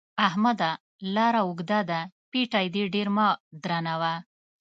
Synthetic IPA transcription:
aɦmɐd̪a | laɾauɡd̪ad̪apiʈajd̪iɖiɾmad̪ɾanawa

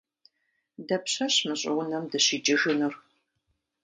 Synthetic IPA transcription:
dɐpɕɐɕmɨɕʼɪʁʷʊnɐmdɨɕɪt͡ʃʼɪʒɨnɨr

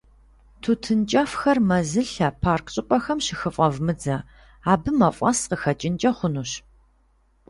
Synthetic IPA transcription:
tʰutʰɨnt͡ʃʼɐfxɐrmɐzɨɬɐpʰaːrkʰɕʼɪpʷʼɔxɐmʃɪxɨfʼɐvmɨd͡zɐ | aːbɨmɐfʷʼɐsqəxɐt͡ʃʼɪnt͡ʃʼɐχʷʊnuɕ

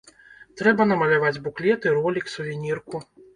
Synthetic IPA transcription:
t̪ɾɛbɐnɐmɐlʲavad͡zʲbuklʲɛt̪ɨɾɔlʲiksuvʲinʲirku

